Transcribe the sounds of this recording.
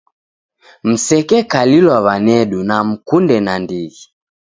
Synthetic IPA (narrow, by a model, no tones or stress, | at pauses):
m̩sɛkɛkalilwaβanɛɗunam̩kundɛnandiɣi